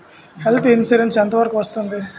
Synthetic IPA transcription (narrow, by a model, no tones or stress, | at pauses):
helt̪ʰinsuːɾensɐnt̪ɐʋɐɾkuʋɐst̪und̪i